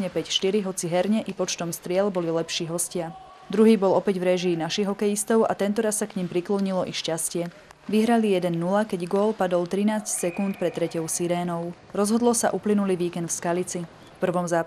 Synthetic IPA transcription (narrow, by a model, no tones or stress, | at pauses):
ɲɛpɛcʃt̪iɾiɦɔt͡siɦɛɾɲɛʔipɔt͡ʃt̪ɔmst̪ɾɪɛlbɔlilɛpʃiːɦɔscɪa | d̪ɾuɦiːbɔlɔpɛɟvɾɛʒiːnaʃiɣɦɔkɛjist̪ɔʊa̰t̪ɛnt̪ɔɾasːakɲimpɾiklɔɲilɔʔiʃcascɪɛ | ʋiɦɾalijɛd̪ɛnːulakɛɟɡʊɔlpad̪ɔlt̪ɾinaːscsɛkunt̪pɾɛt̪ːɾɛcɔʊsiɾɛːnɔʊ | ɾɔzɦɔd̪lɔsaʔuplinuliʋiːkɛnd̪fskalit͡si | fpr̩ʋɔmzaː